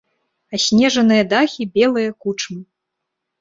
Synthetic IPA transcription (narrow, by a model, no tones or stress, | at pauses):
ɐsʲnʲɛʐɐnɨjɐd̪axʲibʲɛlˠɨjɐkut͡ʂmɨ